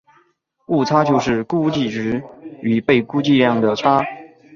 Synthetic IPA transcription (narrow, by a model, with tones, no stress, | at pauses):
u˥˩t͡sʰa˥t͡ɕjo˥˧ʊʂɻ̩˥˧ku˥˧t͡ɕi˥˩ʈ͡ʂɻ̩˧˥y˨˩pe˥˩ɪku˥t͡ɕi˥˧ljɑ˥˩ŋd̪ə˩ʈ͡ʂʰa˥